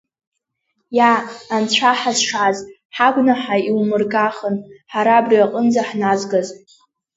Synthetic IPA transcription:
jaːnt͡ɕʷʰaħazʂaz | ħaɡʷnaħaiwmɨrɡaχənħaɾaːbriaqʼənd͡zaħnazɡaz

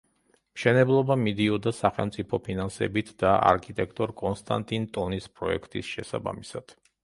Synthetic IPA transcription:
mʃɛnɛblˠɔbamid̪iɔd̪asaχɛlˠmt̪sʼipʰɔpʰinansɛ̰bit̪ʰd̪aa̰ɾkʰit̪ʼɛkʰt̪ʼɔɾkʼɔnst̪ʼa̰nt̪ʼint̪ʼɔnispʼɾɔɛ̰kʰt̪ʼḭsʃɛsa̰ba̰misad̪̥

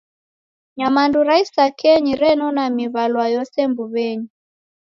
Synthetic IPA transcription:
ɲamanduɾaisakɛɲiɾɛnɔnamiβalwajɔsɛmbuβɛɲi

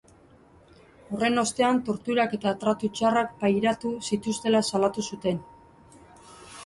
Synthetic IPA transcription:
o̞re̞no̞st̪e̞ant̪o̞ɾt̪uɾake̞t̪aːt̪ɾat̪ut͡ʃarakpajɾat̪usit̪ust̪e̞lasalat̪usut̪e̞n

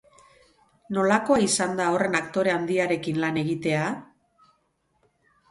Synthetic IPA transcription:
no̞lako̞aisand̪ao̞re̞nakt̪o̞ɾe̞and̪iaɾe̞kinlane̞ɣit̪e̞a

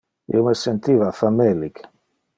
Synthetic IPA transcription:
ḭomesent̪iːvafamelːik

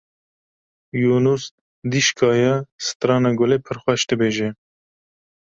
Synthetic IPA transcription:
juːnus | d̪iʃkʰɑːjɛsɨ̥t̪ɾɑːnɑɡoleːpʰəɾxʷɛʃd̪ɨbeːʒɛ

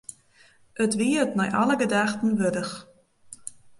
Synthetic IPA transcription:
ʔətʋiətnɔjʔa̰ləɡədaxtən̩ʋødəx

